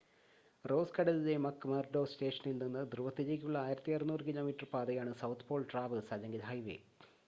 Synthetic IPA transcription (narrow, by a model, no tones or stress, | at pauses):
ro̞ːskɐɽɐliðemɐkːɨmɐrɖoːste̞ːʂɐnilninːɨd̪ruʋɐt̪ːiðekʲːuɭːɐaːjiɾɐt̪ːijɐrnuːrɨkilo̞ːmiʈːɐrpaːd̪ɐjaːɳɨsɐwt̪ʰpo̞ːɭʈraːʋɨsaːd͡ʑɐŋɡilɦɐjʋḛ